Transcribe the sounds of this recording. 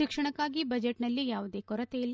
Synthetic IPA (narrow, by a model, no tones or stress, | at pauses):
ikʂɐɳɐkːaːɡibɐd͡ʒeʈnɐlːijaːʋud̪e̞ːkɔɾɐt̪ejilː